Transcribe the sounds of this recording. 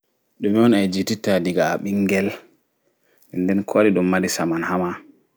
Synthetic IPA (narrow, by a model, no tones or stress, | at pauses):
ɗɔmiwɔnajd͡ʒititadiɡaːɓiŋɡɛl | ɛnːdɛnkʰaɾiɗɔmːadisamanhama